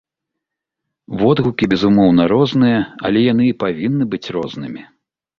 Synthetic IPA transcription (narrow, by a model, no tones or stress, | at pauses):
vɔd̪ɣukʲibʲɛzumɔwnɐɾɔznɨjɐɐ̰lʲɛjan̪ɨipavʲinːɨbɨt͡sʲrɔznɨmʲi